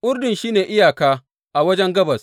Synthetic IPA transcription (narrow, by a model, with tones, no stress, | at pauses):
ʔʊ˦ɾdɪ˨nʃiː˦neː˨ʔɪ˦jaː˨kaː˦ | ʔa˨wɐ˦d͡ʒɛ˦ŋɡɐ˦bɐ˨s